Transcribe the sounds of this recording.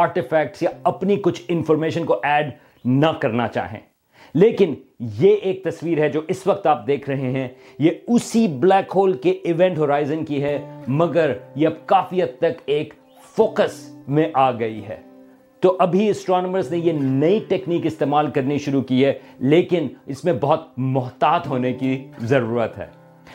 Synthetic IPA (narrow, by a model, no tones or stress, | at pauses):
aːɾʈɪfɛːk̚ʈsjaɐpnikʊt͡ʃʰɪ̃nfɔːɾmeːʃə̃nkoʔɛːɖ | nɐkɐɾna̰t͡ʃa̰ːɦḛ̃ː | leːkɪnjeeːk̚t̪ɐsʋiːɾɦɛd͡ʒoːʔɪsʋɐk̚t̪aːp̚d̪eːkʰɾɐɦeɦɛ̃ | jeʊsiblɛːkɦoːlkeɪʋɛ̃ːɳʈɦoːɾaːɪzə̃nkiɦɛmɐɡəɾjeɐb̚kaːfiɦɐd̪̚t̪ɐkeːk | foːkəsmẽʔaːɡɐiɦɛ̰ː | t̪oʔɐbʱiɐsʈɾɔːnəməɾznejenɐiʈeːkniːkɪst̪eːmaːlkɐɾniʃʊɾukiɦɛleːkɪnɪsmẽbɐɦʊt̪̚mʊɦt̪aːt̪ɦoːnekizɐɾuːɾət̪ɦɛ̰ː